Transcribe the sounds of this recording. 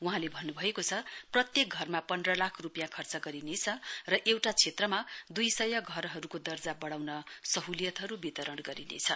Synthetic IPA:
uɦãlebʱʌnːubʱʌekot͡sʰʌprʌt̪jek̚ɡʱʌrmapʌndrʌlakʰrupjãkʰʌrt͡sʌɡʌɾinet͡sʰʌrʌʔewʈat͡sʰet̪rʌmad̪ujsʌjʌɡʱʌɾɦʌɾukod̪ʌrd͡zabʌɽawnʌsʌɦulijʌt̪ɦʌɾubit̪ʌɾʌɽɡʌɾinḛt͡sʰʌ

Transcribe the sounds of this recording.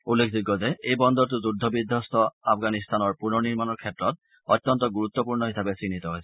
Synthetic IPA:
ulːekʰziɡɔzɛejbɔnd̪ɔɹt̬ʊzudʱːɔbidʱɔstɔapʰɡanist̪ʰanɔɹpunɔniɹmanɔɹkʰɛtɹɔt̚ | ɔtːɔntɔɡuɹut̪ːɔpuɹnɔɦisabɛsɹinitɔɦojsɛ̥

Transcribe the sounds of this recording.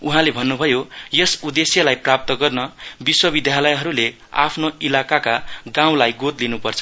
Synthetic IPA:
uɦãlebʱʌnːubʱʌjojʌsud̪esjʌlajprap̚t̪ʌɡʌrnʌbiswʌbid̪ʱjalʌjɦʌɾule | a̰pʰnoilakakaɡãw̃lajɡot̪linupʌrt͡sʰʌ̥

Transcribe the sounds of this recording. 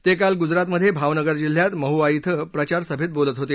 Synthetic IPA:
t̪ekalɡud͡zɾat̪məd̪ʱjebʱaʋnəɡəɾd͡ʑil̤jat̪məɦuajit̪ʰəpɾət͡ɕaɾsəbʱit̪̚bolət̪ɦot̪e

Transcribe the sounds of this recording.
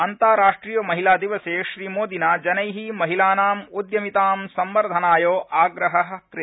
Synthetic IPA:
ɐnt̪aːɾaːʂʈɾiːjɐmɐɦilaːd̪iʋɐseːʃɾiːmoːd̪inaːd͡ʒɐnɐjɦimɐɦilaːnaːmud̪jɐmit̪aːmsɐmbɐɾd̪ʱɐnaːjoːʔaːɡɾɐɦɐɦkɾ

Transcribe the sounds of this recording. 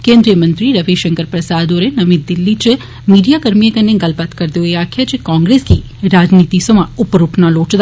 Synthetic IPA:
kẽnd̪ɾijəmənt̪ɾiɾəʋiʃəŋkəɾpɾəsad̪oɾenəmit̪̚d̪ilːit͡ʃe | miɖijakəɾmijekəneɡəlpat̪kəɾd̪joeakʰjat͡ʃekɔ̃ŋɡɾesɡi | ɾad͡ʒnit̪isomãupəɾuʈʰnalot͡ʃd̪

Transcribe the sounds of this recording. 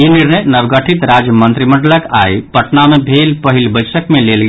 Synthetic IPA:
iniɾnəjnəbɡəʈʰit̪ɾad͡ʒjəmənt̪ɾiməɳɖələka̰ipəʈnamebʱelpəɦilbəsəkmelelɡ

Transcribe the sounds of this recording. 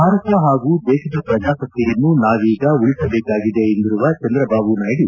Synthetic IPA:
bʱaːɾɐt̪jɐɦaːɡuːd̪eːʃid̪ɐpɾɐd͡ʒaːsɐt̪ːijɐnːunaːʋiːɡɐuɭsɐbeːkaːɡid̪eːnd̪iɾuʋɐt͡ʃɐnd̪ɾɐbʱaːʋunaːjɽi

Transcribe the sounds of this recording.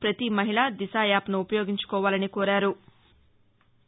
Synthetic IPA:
pɾɐt̪imɐɦiɭad̪isaːjaːpnuːpɐjoːɡiɲt͡ʃu̥kɔːʋaːlɐnikoːɾaːɾu

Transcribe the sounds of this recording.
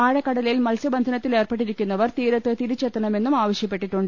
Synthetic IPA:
aːɻɐkːɐɽɐlɐjilmɐlsɐbɐnd̪ʱɐnɐt̪ːile̞ːrpeʈːiɾikʲːunːɐʋɐrt̪iːɾɐt̪ːɨt̪iɾut͡ɕːet̪ːɐɳɐme̞nːumaːʋɐɕjɐpːe̞ʈːiʈːuɳɖɨ

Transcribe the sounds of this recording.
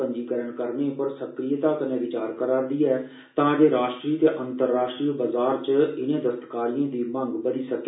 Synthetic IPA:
əɲd͡ʒiːkəɾəɳkəɾneːpəɾsəkɾɪjət̪aːkənẽːʋɪt͡ʃaːɾkəɾaːɾd̪iːɛː | t̪ãːd͡ʒ̪eːɾaːʃʈɾiːt̪eʔənt̪əɾːaːʃʈɾiːbəzaːɾt͡ʃəɪnẽːd̪əst̪kaːɾijãːd̪iːmə̃ŋɡbəɾiːsəkː

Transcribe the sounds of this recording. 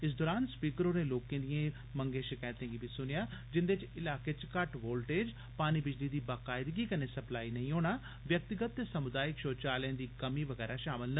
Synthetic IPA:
ɪsd̪ɔːɾaːnspiːkəɾoːnẽːloːkẽːd̪ijẽː | məŋɡẽːʃɪkaːjt̪ẽːɡiːbʱiːsʊnɪjaːd͡ʒɪnd̪et͡ʃɪlaːkeːt͡ʃkəʈʋoːlʈeːd͡ʒ | paːniːbɪd͡ʒliːd̪iːbaːkaːɪd̪ɡiːkəneːsəplaːiːnəĩːɦoːɽ̃aː | ʋjək̚t̪ɪɡət̪ːeːsəmʊd̪aːjɪkʃoːt͡ʃaːlɛ̃nd̪iːkəmiːʋəɡɛːɾaːʃaːmɪlnə

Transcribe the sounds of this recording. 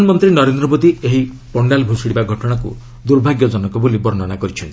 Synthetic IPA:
anmɔnt̪ɾinɔɾend̪ɾɔmod̪ieɦi | pɔɳɖalbʱosiɽibaɡʱɔʈɔɽ̃akṵ | d̪uɾbʱaɡjɔd͡ʒɔnɔkɔbolibɔɾnɔnakɔɾit͡ʃʰɔn

